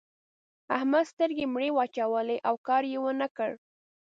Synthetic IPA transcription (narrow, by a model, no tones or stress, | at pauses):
ahmad̪st̪əɾɡemɽewɑt͡ʃawəleʔawkɑɾjewənəkəɽ